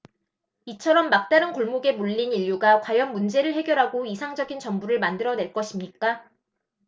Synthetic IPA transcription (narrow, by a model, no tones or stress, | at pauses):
it͡ɕʰʌɾʌmːak̚t͈aɾɯnkoɭmoɡe̞muʎːiniʎːuɡakwajʌnmund͡ʑe̞ɾɯɭhe̞ɡjʌɾɦaɡoisʰaŋd͡ʑʌɡint͡ɕʌŋbuɾɯɭmandɯɾʌne̞ɭk͈ʌɕʰimɲik͈a